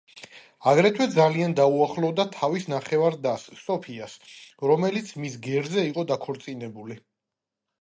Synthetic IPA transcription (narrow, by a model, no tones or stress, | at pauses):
aɡɾɛt̪ʰwɛd̪zaliand̪auaχlˠɔvd̪at̪ʰavisnaχɛvaɾd̪asːt̪ʼɔpʰiasɾɔmɛlit̪sʰmisɡɛɾzɛiqʼɔd̪akʰɔɾt̪sʼinɛbuli